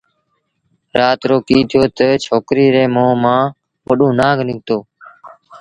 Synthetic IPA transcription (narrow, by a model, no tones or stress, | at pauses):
ɾaːt̪ɾoːkiːt̪ʰɪjoːt̪ət͡ʃʰoːkɾiːɾeːmõːmãː | ʋəɗõːnaːɡʱnɪɡ̚ʱt̪oː